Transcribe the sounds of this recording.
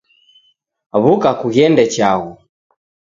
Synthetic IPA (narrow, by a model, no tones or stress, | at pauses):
βukakuɣjɛndɛt͡ʃaɣu